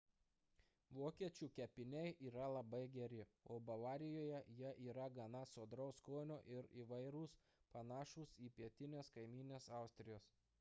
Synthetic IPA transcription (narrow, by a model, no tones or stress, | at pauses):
ʋoːkʲiɛt͡ʃʲuːkʲɛpʲɪnʲɛɪʔiːɾɐlˠɐbɐɪɡʲɛɾʲɪoːbɐʋɑːɾʲɪjoːjɛjɛʔiːɾɐɡɐnɐsoːd̪ɾɐʊskoːnʲoːʔɪɾiːʋɐɪɾuːs | pɐnɑːʃuːsiːpʲiɛt̪ʲɪnʲeːskɐɪmʲiːnʲeːsɑˑʊsʲt̪ʲɾʲɪjoːs